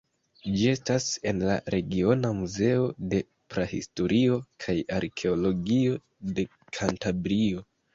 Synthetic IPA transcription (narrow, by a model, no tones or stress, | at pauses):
d͡ʒie̞stase̞nla̰ɾe̞ɡio̞namuze̞o̞de̞ | pɾahḭsto̞ɾʔio̞kʰajaɾkʰe̞olo̞ɡio̞ | de̞ | kʰantabɾio̞